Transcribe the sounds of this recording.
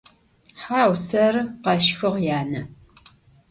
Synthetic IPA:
ħaːwsɐrqɐʃxɨʁjaːnɐ

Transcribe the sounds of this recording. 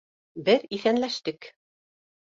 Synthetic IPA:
bɘðiθænlæʃt̪ɘk

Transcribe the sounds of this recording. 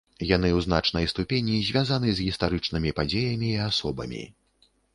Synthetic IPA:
jan̪ɨwzna̰t͡ʂnɐjst̪upʲenʲizʲvʲazanɨzɣʲist̪aɾɨt͡ʂnɨmʲipad͡zʲejɐmʲiːasɔbɐ̰mʲḭ

